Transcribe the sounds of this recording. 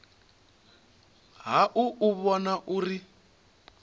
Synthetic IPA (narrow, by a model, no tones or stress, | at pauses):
ɦaʔuʔuβɔnaʔuri